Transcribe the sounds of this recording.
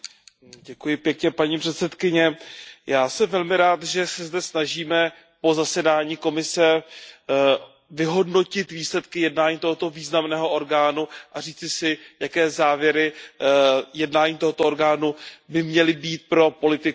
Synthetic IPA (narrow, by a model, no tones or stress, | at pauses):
ɟɛkujɪpjɛkɲɛpaɲiːpr̥ɛt̪sɛt̪kɪɲɛjaːsɛmvɛlmɪɾaːt̪ʒɛsɛzdɛsnaʒiːmɛ | po̞zasɛdaːɲiːko̞mɪsɛ | vɪɦo̞dno̞cɪt̪viːslɛt̪kɪjɛdnaːɲiːt̪o̞ɦo̞t̪o̞viːznamnɛːɦo̞ʔo̞ɾɡaːnuʔariːt͡sɪsɪjakɛːzaːvjɛɾɪ | jɛdnaːɲiːt̪o̞ɦo̞t̪ooɾɡaːnubɪmɲɛlɪbiːt̪̚pɾo̞po̞lɪt̪ɪ